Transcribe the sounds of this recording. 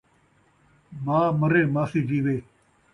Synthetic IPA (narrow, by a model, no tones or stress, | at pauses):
mãːməɾẽːmãːsiːd͡ʒiːʋeː